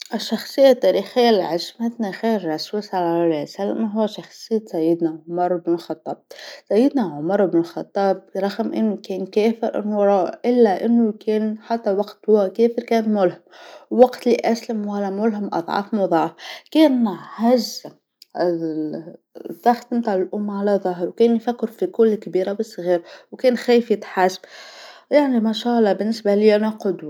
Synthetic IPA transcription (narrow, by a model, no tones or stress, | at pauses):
ʔɪʃːɑxsˤɨjːat̪ːæːɾiːxɪjːalʕaʒmat̪naɣeːɾːɑswisalalasalmaɦʊwːaʃɑxsˤɨjːasajːɪd̪naʕʊmɑɾˤɪbnɪlxɑt̪ˤːɑ̰ːb̚sajːɪd̪naʕʊmɑɾˤɪbnɪlxɑt̪ˤːɑːb̚ɾˤɑɣmʔɪ̰nːukeːnkeːfɪɾʔɪ̰nːʊɾˤɑʔɪlːaʔɪnːʊkeːnħat̪ːawaɡt̪hʊwakeːfɪɾkæːnmʊlhʊmwːaɡt̪liʔaslamwalːamʊlɦamʔɑ̰d̪ˤʕɑ̰fmʊðˤɑʕfkeːnhaʒa | ðˤːɑxt̪ɪmt̪aːʕlɪlʔʊmːʕalaðɑɦɾwkeːnjfakːɪɾfikʊlːkabiːɾabɪsˤːɣiːɾwkeːnxeːjfjɪt̪ħasbjaʕnimaʃaːʔlˤːɑbɪnːɪsbaliːʔanɑqʊd̪wa